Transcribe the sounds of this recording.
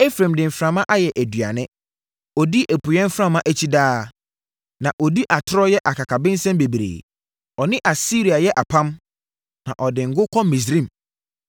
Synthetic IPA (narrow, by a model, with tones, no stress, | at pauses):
e˦fɾã˨mdɪ̃˨m̩˨fɾã˨mã˦ʔa˦jɛ˨ʔæ˨dɥa˨nɪ̃˦ | ɔ˨di˦ʔæ˨pʰu˨jɛ̃˦m˦fɾã˦˨mã˦ʔæ˦t͡ɕʰi˦daː˦ | nã˨ʔɔ˨di˦ʔa˨tʰʊ˦ɾɔ˦jɛ˦ʔa˨kʰa˨kʰa˨bɪ̃˦n̩˦sɛ̃˦mbe˨bɾḛː˨ | ɔ˨nɪ̃˦ʔa˨si˦ɾi˨a˨jɛ˦ʔa˨pʰã˦m | nã̰˨ʔɔ˨dɪ˨ŋ̩˨ɡʊ˦kʰɔ˦mĩ˨s̬ɾĩ˦˨m